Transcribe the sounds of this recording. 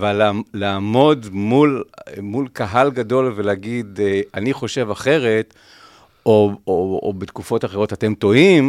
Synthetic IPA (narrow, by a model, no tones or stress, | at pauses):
avalːalaːmo̞dmulmulkaɦalɡado̞lveleaɡid̪eaniχo̞ʃe̞vaχe̞ʁe̞t | ooobet̪kufo̞taχe̞ʁo̞tate̞mto̞im